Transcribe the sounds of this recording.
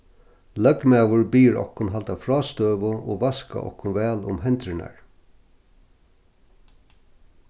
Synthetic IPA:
lœɡmæːʋʊɹbiːɹɔ̰hkːʊnɦalt̪awfɹɑːst̪øːʋʊʔo̰ːʋaska̰ʔɔ̰hkːʊnʋɛːlʊ̰mɦɛnt̪ɾɪna̰ɹ

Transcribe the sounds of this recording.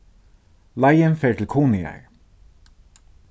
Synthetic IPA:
lajənfeːʈ̪ʰɪlkʰuːnɪa̰ɹ

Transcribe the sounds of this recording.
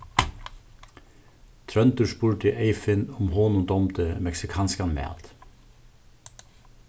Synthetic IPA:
t̪ʰɾœnt̪əʃpuːɹʈəʔeɪfɪnʊmhoːnʊd̪ɔmt̪ʰəmɛksɪkʰɑːnskɑnmḛːɑ̰lt̪

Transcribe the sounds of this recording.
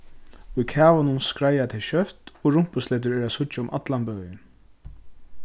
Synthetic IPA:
ʊjkʰæːʋanʊnskɾajat̪ʰɛlʃœht̪ɔɹʊm̥pʊslɛːt̪̬ʏɹɛːɾæsʊct͡ʃaʊmʔa̰t̪lanbœːjɪn

